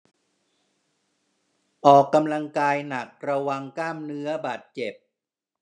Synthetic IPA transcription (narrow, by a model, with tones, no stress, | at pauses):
ʔɔː˨˩kːa˧mla˧ŋkaː˧jna˨˩k̚ɾa˧wa˧ŋklaː˥˩mnɯ˦˥ɐbaː˨˩t̪̚t͡ɕe˨˩p̚